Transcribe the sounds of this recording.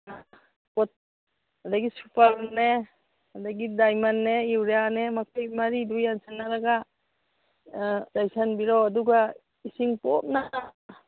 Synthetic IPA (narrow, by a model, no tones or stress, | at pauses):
na | pɔt̚ | adaɡisupaɾne | adaɡidajmanːeiwɾejanemakʰajmaɾidujansanːaɾaɡa | dajsanbiɾɔaduɡa | isiŋpɔp̚na